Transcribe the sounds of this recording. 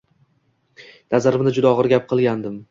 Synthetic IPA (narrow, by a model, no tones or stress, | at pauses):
nazaɾɪmnɪd͡ʒʊd̪aɒʁɨɾɡʲap̚qʰɨlˠɡʲand̪ɪm